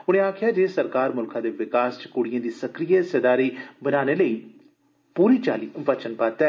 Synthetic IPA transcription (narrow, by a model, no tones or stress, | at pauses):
ʊñẽːaːkʰɪjaːd͡ʒeːsəɾkaːɾmʊlkʰãːd̪eːʋɪkaːst͡ʃkʊɽijãːd̪iːsəkɾijeːsəd̪aːɾiːbənaːneːləiː | puːɾiːt͡ʃaːliːʋət͡ʃənpaːt̪ɛː